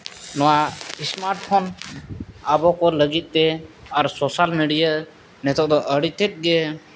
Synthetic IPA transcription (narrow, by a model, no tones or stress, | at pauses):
nɔwaismaɾʈpʰɔn | abɔkɔləɡit̪̚ˀt̪ɛaɾsosalmeɖija | nɛt̪ɔʔd̪ɔʔəɽit̪ɛt̪̚ˀɡɛ